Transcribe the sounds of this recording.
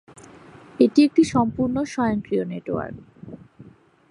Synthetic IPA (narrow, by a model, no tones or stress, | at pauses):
eʈiek̚ʈiʃɔmpuɾnoʃɔeoŋkɾioneʈo̰a̰ɾ